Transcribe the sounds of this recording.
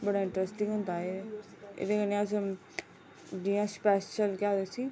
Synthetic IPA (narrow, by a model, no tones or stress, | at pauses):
bəɽaːɪ̃ɳʈɾɛsʈɪ̃ŋɡɦʊ̃nd̪aːe | ḛːd̪eːkənẽəs̬ | dijãːspɛʃəlkaːd̪esiː